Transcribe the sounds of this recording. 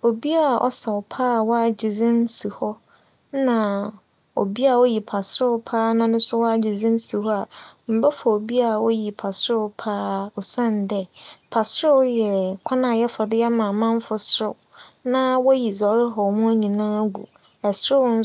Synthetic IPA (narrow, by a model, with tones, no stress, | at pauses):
o˨bi˦a˨ʔɔ̰˦sa˨ɔ˨pʰaː˦˨wɔ˦a˨d͡ʑi˨ziɪ̃˦n˦si˨hɔ˦ | nã˨ | o̰˨bi˦a˨ɔ˦ji˨pʰa˨sɾʊ˦pʰaː˦nã˦nʊ̃˦sʊ˦wɔ˦a˦d͡ʑi˨zĩ˦n̩˦si˨hɔ˦a˨m̩˨bɛ˦fɔ˨o˨bi˦a˨wɔ˦ji˨pʰa˨sʊ˦pʰaː˦ɔ˨sã˦˨n˨dɛ˨pʰa˨sʊ˦jɛ˨kʷʰa˦nã˨jɛ˦fɔ˨dɪ˦ɛ˦mãː˨mã˦m˦fʊ˨sʊ˦˨ | nã˦wɔ˦ji˨zɔ˨˦ɾɪ˦ɦɔ˨mũ˦æ˦ɲĩ˨nãː˦ɡṵ˨ | ɛ˨sʊ˦n̩˦